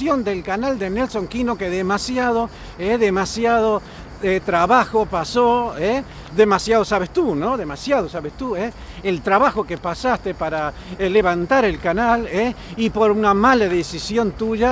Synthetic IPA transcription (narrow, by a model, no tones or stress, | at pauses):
jo̞nd̪elkanald̪ene̞lso̞ŋkino̞keðemasjað̞o̞ | eðemasjaðo̞ | et̪ɾaβaxo̞pasoe | ðemasjað̞o̞saβ̞est̪unõ̞ðe̞masjað̞osaβest̪ue | elt̪ɾaβaxo̞kepasast̪epaɾa | leβant̪aɾelkanaleipo̞ɾunamalaðesisjont̪uʒa